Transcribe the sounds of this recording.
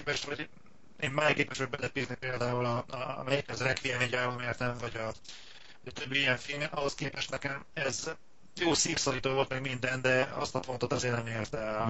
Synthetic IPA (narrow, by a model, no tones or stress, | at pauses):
pɛʃt̪ʋɒɟ | eːmmaːjkeːpɛʃɒɟbɛlɛpiːznipeːld̪aːulɒɒmɛjikɛzrɛkʋiɛmeɟaːvomeːrt̪ɛɱvɒɟɒ | vɒɟɒt̪ø̞bːiijɛɱfilmɛnʔɒɦo̞skeːpɛʃt̪nɛkɛmɛz | joːsiːfsoliːt̪oːvo̞lt̪mɛɡmind̪ɛnd̪ɛɒ̰st̪ɒfo̞nt̪o̞t̪ɒzeːrnɛmeːrt̪ɛm